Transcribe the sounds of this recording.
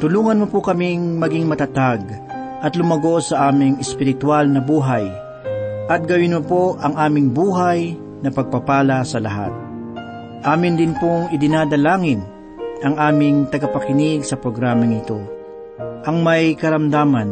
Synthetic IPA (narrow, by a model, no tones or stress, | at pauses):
t̪ʊluːŋɐnmopʊkɐmiŋmɐɡiŋmɐt̪ɐt̪aɡ | ʔɐt̪lʊmɐɡo̞sɐʔaːmɪŋɛspɪɾɪt̪walnɐbuːɦaj | ʔɐt̪̚ɡɐwɪnmʊpoʔɐŋʔaːmɪŋbuːɦaj | nɐpɐɡ̚pɐpaːlɐsɐlɐɦa̰t̪̚ | ʔaːmɪnd̪ɪnpoŋɪd̪ɪnad̪ɐlaːŋɪn | ɐŋʔaːmɪŋt̪ɐɡɐpɐkɪnɪɡsɐpɾoɡɾaːmɐŋɪt̪o̞ | ʔɐŋmɐjkɐɾɐmd̪aːmɐn